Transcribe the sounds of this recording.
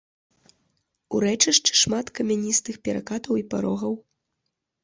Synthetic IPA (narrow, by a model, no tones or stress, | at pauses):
uɾɛt͡ʂɐʂt͡ʂɨ̥ʂmat̪kɐmʲanʲist̪ɨxpʲɛɾa̰kat̪ɐwipa̰ɾɔɣɐw